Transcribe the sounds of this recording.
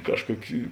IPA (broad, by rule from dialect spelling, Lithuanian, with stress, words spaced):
ˈkɑːʃˌkuɔkʲɪ